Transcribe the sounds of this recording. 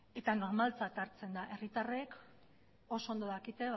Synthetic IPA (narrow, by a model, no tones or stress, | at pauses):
e̞t̪ano̞ɾmalt͡sat̪aɾt͡se̞nd̪aʔe̞rit̪arek | o̞so̞ond̪o̞ðakit̪e̞β